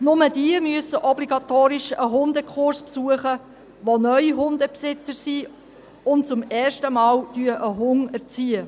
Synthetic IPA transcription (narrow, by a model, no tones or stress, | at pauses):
nʊmədiəmyəsəʔɔbliɡɑtoːɾɪʃəɦʊndəkʰχʊɾspsuəχə | ʋonœʏiɦʊndəpsɪt͡səɾsiː | ʊnt͡sʊmɛːrʃtəmɑːldyːəʔəɦʊŋəɾt͡siːə